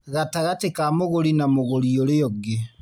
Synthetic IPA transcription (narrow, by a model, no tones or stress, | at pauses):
ɣataɣatekamoɣoɾinamoɣoɾioɾejɔɡe